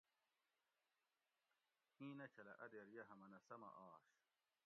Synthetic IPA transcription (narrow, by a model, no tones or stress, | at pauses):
hĩːnɐt͡ɕʰɐlɐ̰ʔɐd̪eɾjɐɦɐmɐnɐsɐmɐ̰ʔaːɕ